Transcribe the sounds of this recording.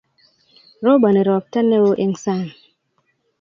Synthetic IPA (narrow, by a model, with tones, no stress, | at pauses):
ɾo˦ba˨ne˨ɾɔ˨p̚ta˦nːe˦wo˦ʔe˦ŋsa˦˨n